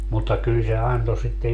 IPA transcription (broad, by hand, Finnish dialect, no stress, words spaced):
mutːɑ kyl se ɑnto sitːe